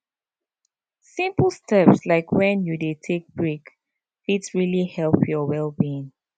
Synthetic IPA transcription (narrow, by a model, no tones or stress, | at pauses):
sĩmpəl̩ˠstʰɛpslaɪkʰwɛ̃njudetʰek̚bɹik | fidsɹilihɛlˠpʰjɔwɛlbiĩŋ